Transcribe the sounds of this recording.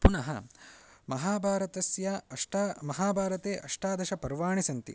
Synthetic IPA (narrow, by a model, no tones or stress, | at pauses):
punɐɦɐ̰ | mɐɦaːbʱaːɾɐt̪ɐsjɐɐʂʈamɐɦaːbʱaːɾɐt̪eːʔɐʂʈaːd̪ɐʃɐpɐɾʋaːɳisɐnt̪ḭ